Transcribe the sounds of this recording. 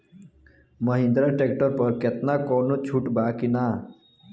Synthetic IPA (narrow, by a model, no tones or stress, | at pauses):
məɦĩnd̪ɾaʈek̚ʈəɾpəɾket̪nakoːnot͡ʃʰuʈbaːkinaː